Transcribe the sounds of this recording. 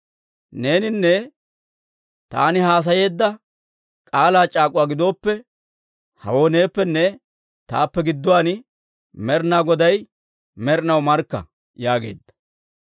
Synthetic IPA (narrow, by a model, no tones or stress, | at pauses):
ne̞ːnɪnːɛ | t̪a̰ːnɪhaːs̬ɐje̞ːd̪ːɐ | kʼaːlaːt͡ʃʼaːkʼʊwaːɡɪd̪o̞ːpːɛ | hɐ̰wo̞ːneːpːɛnːɛ | t̪a̰ːpːɛɡɪd̪ːʊwaːn | mɛɾnaːɡɔd̪ɐj | mɛɾnɐwmɐɾkːɐ̰ | jaːɡḛːd̪ːɐ̥